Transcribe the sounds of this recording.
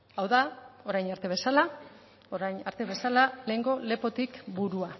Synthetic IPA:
awðao̞ɾajnaɾt̪e̞β̞e̞sala | o̞ɾajnaɾt̪e̞βe̞salale̞ːŋɡo̞le̞po̞t̪ikbuɾua

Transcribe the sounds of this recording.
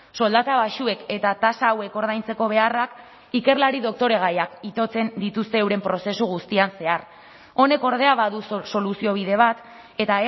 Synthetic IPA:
so̞ld̪at̪aβaʃue̞ke̞t̪at̪asaːwe̞ko̞ɾð̞ajnt͡se̞ko̞β̞e̞arak | ike̞ɾlaɾiðo̞k̚t̪o̞ɾe̞ɣajakit̪o̞t͡se̞nd̪it̪ust̪e̞ːwɾe̞mpɾo̞se̞suɣ̞ust̪ianse̞ar | o̞ne̞ko̞ɾð̞e̞aβaðuso̞lusio̞β̞iðe̞β̞at̪ | e̞t̪ae

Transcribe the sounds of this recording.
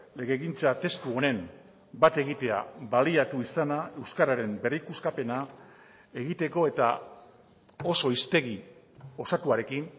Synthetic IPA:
le̞ɣe̞ɣint͡sat̪e̞st̪uo̞ne̞m | bat̪e̞ɣ̞it̪e̞a̰βaliat̪uisanae̞wskaɾaɾe̞mbe̞rikuskape̞na | e̞ɣit̪eko̞e̞t̪a | o̞so̞ist̪e̞ɣ̞i | o̞sat̪uaɾe̞kin

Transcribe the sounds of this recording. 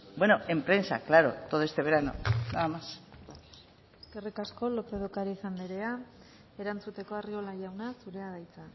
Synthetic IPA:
bwe̞no̞e̞mpɾe̞nsa̰klaɾo̞̰t̪oðoest̪e̞β̞e̞ɾano̞̰naðamas | kerikasko̞lokeðokaɾiːsanleɾe̞a | e̞ɾant͡sut̪e̞ko̞ario̞laʝawnasuɾe̞aðajt͡sa

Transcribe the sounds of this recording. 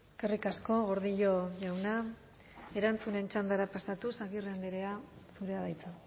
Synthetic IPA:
eskerikasko̞ɣo̞ɾð̞iʎo̞ʝawna | e̞ɾant͡sune̞nt͡ʃand̪aɾapasat̪usaɣirend̪iɾeasuɾeaðajt͡sa

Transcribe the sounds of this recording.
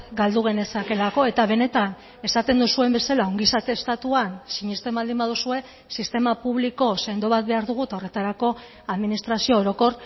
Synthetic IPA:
ɡald̪uɣ̞e̞ne̞sake̞lako̞e̞t̪aβ̞e̞ne̞t̪an | e̞sat̪e̞nd̪usue̞mbe̞salao̞ŋɡisat̪e̞st̪at̪uansiɲest̪emald̪imbaðusue̞ | sist̪e̞mapuβliko̞se̞nd̪o̞βat̪̚be̞aɾðuɣ̞uet̪ao̞re̞t̪aɾako̞ | aðminist̪ɾasio̞ːɾo̞ko̞ɾ

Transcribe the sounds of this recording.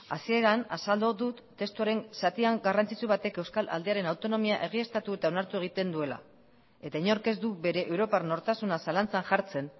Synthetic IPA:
asie̞ɾanasald̪oðut̪ːe̞st̪uaɾe̞ŋsat̪iaŋɡarant͡sit͡suβat̪e̞ke̞wskala̰ld̪e̞aɾe̞nawt̪o̞no̞miaʔe̞ɣ̞ie̞st̪at̪ue̞t̪ao̞naɾt̪ue̞ɣ̞it̪e̞nd̪ue̞la̰ | e̞t̪aiɲo̞ɾke̞zd̪ube̞ɾe̞ʔewɾo̞parno̞ɾt̪asunasalant͡sanʝaɾt͡se̞n

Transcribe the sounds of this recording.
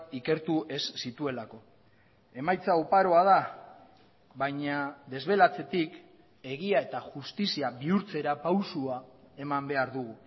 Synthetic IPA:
ike̞ɾt̪uʔe̞sːit̪ue̞lako̞ | e̞majt͡saopaɾo̞að̞a | βajɲaðe̞zβe̞lat͡se̞t̪ik | e̞ɣiae̞t̪aʝust̪isiaβiuɾt͡se̞ɾapawsuae̞mambe̞aɾðuɣ̞u

